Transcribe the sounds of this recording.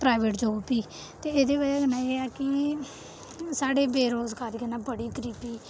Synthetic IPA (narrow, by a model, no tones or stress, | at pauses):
pɾaːʋeːʈd͡ʒoːpiː | t̪eːeːd̪eːbəd͡ʒeːd̪ənãːeːaːkɪ | saːɽeːbeːɾoːzɡaːɾikenãːbəɽiːkɾiːpiː